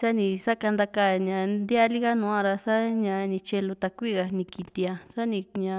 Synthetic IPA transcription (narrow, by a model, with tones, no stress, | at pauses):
sa˦nĩ˧sa˦ka˧nd̪a˦ka˦˨ɲã˧nd̪ja˦li˦ɣa˦nũ˧ã˧ɾa˧sa˦ɲã˧nĩ˧t͡ʃe˧lu˧t̪a˧kʷi˦˨ɣa˧nĩ˧ki˧t̪i˧a˧sa˦nĩ˧ɲã˧